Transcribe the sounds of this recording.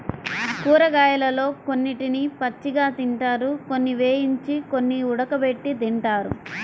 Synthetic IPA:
kuːɾɐɡaːjɐlɐlo̞ːkonːiʈinipɐt͡ʃːiɡaːt̪iɳʈaːɾukonːiʋeːjiɲt͡ʃiko̞nːiuɽɐkɐbe̞ʈːid̪iɳʈaːɾṵ

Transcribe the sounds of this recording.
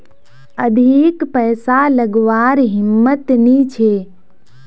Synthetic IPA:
əd̪ʱikpəːsaləɡʋaɾɦɪmːət̪nit͡ʃʰe

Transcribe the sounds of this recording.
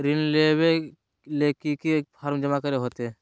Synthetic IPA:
ɾɪnlewe | leːkikepʰaɾmd͡ʒəmakəɾeɦoːt̪ẽ

